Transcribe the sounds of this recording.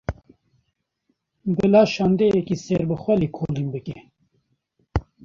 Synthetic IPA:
bɨlaːʃaːnd̪ejɛkiseːɾbɨxwɛliːkʰoːlimbɨke

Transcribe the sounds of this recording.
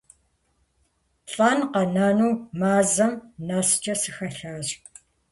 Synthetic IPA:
ɬʼaːnqɐnaːnuːmaːzɐmnast͡ʃʼɐsɨxɐɬaːɕʼ

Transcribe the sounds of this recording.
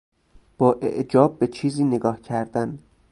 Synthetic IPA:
b̥ɒːʔḛʔd͡ʒɒːb̚ːet͡ʃʰiːziːneɡɒːhcʰæɾd̪̥æn

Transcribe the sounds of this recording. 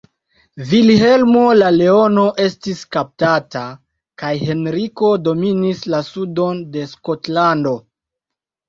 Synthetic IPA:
vilhe̞lmo̞lale̞o̞no̞ʔe̞stiskap̚tata | kajhe̞nɾiko̞do̞minislasudo̞nde̞sko̞tlando̞

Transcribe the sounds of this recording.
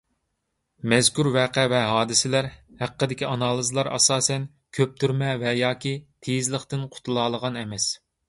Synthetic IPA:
mɛzkʲuɾvɛːqʰɛvɛɦɑːd̪ɪsɪlæɾhæqːəd̪ɪkʲiɑnɑːlˠɨzlˠɑɾɑ̰sɑːsɛn | kʲʰøp̚t̪ʰyɾmɛvɛjɑːkʲʰit̪ʰejizlˠəχt̪ɪnqʰʊ̥t̪ʰulˠɑːlˠəʁɑnɛmɛs

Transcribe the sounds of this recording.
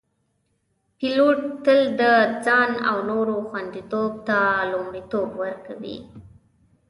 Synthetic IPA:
piloʈ̚t̪əld̪əd͡zɑna̰wnoɾoxwand̪it̪ob̚t̪alʊmɽit̪obwəɾkawḭ

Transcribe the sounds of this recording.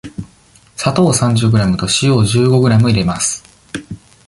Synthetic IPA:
sat̪o̞ːsãɲ̟d͡ʑɨɡɯ̟ɾamɯ̟t̪o̞ɕijo̞ːʑɨːɡo̞ɡɯ̟ɾamɯ̟iɾe̞masɨ̥

